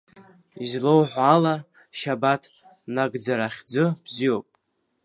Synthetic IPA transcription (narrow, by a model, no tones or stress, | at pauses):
izlowħʷala | ʃabatʰ | naɡd͡zaɾaχʲd͡zɨb̥zio̞pʼ